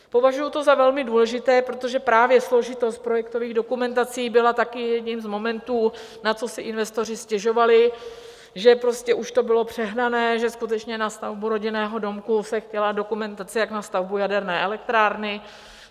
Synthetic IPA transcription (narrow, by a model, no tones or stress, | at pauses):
po̞vaʒujut̪o̞zavɛlmɪduːlɛʒɪt̪ɛːpɾot̪o̞ʒɛpɾaːvjɛslo̞ʒɪt̪o̞st̪̚pɾo̞jɛkt̪o̞viːɣdo̞kumɛnt̪at͡siːbɪlat̪akɪjɛdɲiːmzmo̞mɛnt̪uː | nat͡so̞sɪʔɪnvɛst̪o̞r̝ɪscɛʒo̞valɪ | ʒɛpɾo̞scɛʔuʃt̪o̞bɪlo̞pr̝̥ɛɦnanɛːʒɛskut̪ɛt͡ʃɲɛnast̪avbuɾo̞ɟɪnɛːɦo̞do̞mkusɛxcɛlado̞kumɛnt̪at͡sɪjaknast̪avbujadɛɾnɛːʔɛlɛk̚t̪ɾaːɾnɪ